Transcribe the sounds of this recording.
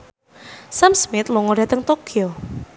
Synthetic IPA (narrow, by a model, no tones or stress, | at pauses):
samsmɪt̪lɔŋɔɖat̪əŋt̪okio